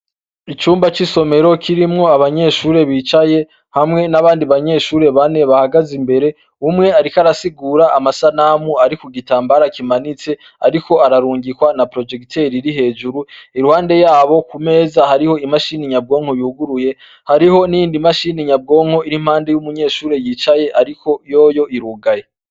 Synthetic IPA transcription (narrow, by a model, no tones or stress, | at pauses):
it͡ʃuːmbat͡ʃiso̞me̞ɾo̞kʰiɾimŋo̞aβaɲe̞ːʃuːɾe̞βiːt͡ʃaje̞ | hamŋe̞naβaːndiβaɲe̞ʃuːɾe̞βaneβahaɡazimbe̞ɾe̞ | umŋe̞aɾikaɾasiɡuːɾaʔamasanamuaɾikuɡitaːmbaɾakimanit͡se̞ | aɾiko̞aɾaɾuːŋɡikwanapɾo̞d͡ʒe̞ktʰe̞ɾiɾiɦe̞ːʒuɾuiɾuhaːnde̞jaːβo̞kume̞ːzahaɾiho̞imaʃiːniɲab̚ɡo̞ːŋ̥ho̞juɡuɾuje̞ | haɾiho̞nijiːndimaʃiːniɲab̚ɡo̞ːŋho̞iɾim̥haːnde̞jumuɲe̞ːʃuːɾe̞jiːt͡ʃaje̞ʔaɾikʰo̞jo̞ːjo̞ʔiɾuɡaje